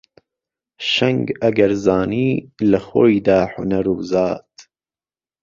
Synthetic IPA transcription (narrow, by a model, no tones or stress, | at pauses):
ʃɛŋɡɐɡɐɾzɑːniːlɐxojd̪aːħʊnɐɾuːzɑːt̪